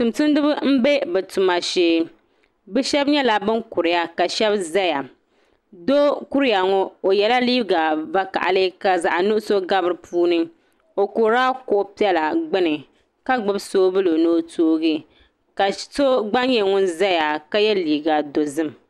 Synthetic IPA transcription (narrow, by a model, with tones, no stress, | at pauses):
tʊ˨mtɨ˦n˦dɨ˦bɨ˦m̩˦be˦bɛ˨tʊ˨ma˨ʃeː˦ | bɛ˦ʃɛ˦bɲɛ˦la˨bɨ˦ŋkʊ˨ɾɪ˨˦ja˦ka˨ʃɛ˦bza˦ja˨ | do˦ku˦ɾɨ˦ja˨ŋɔ˦o˨jɛ˨la˦li˦ɡa˨va˦ka̰˨ʔa˨lɨ˦ka˨za˨ʔnʊ˦ʔʊ˦so˦ɡa˦bɨ˦ɾɨ˨pʰuː˦nɨ˦ | o˨koː˨ɾa˦kʊ˨ʔʊ˦pi˦ɛ˦la˨ɡ͡bɨ˦nɨ˨ | ka˦ɡ͡bɨ˦bsoː˦bɨ˦lo˨noː˦tʰoː˦ɡɨ˦ | ka˨so˦ɡ͡ba˦ɲ˦ɲɛ˨ŋʊ˦nza˦ja˨ka˦jɛ˦liː˨ɡa˨do˨zɨ˦m˨